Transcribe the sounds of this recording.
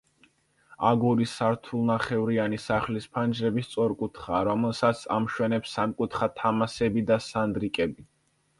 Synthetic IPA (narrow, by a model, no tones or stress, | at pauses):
aɡuɾisaɾt̪ʰulˠnaχɛvɾianisaχlispʰand͡ʒɾɛbist̪sʼɔɾkʼut̪ʰχaːɾɔmɛlˠsat̪sʰamʃwɛnɛpsːamkʼut̪ʰχat̪ʰamasɛbid̪asand̪ɾikʼɛbi